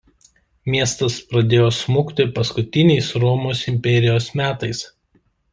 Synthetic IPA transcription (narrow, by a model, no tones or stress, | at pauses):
mʲiɛst̪ɐspɾɐd̪ʲeːjoːsmuːkt̪ʲɪpɐskʊt̪ʲɪnʲɛɪsɾɔmoːsɪmʲpʲɛɾʲɪjoːsmʲæːt̪ɐɪs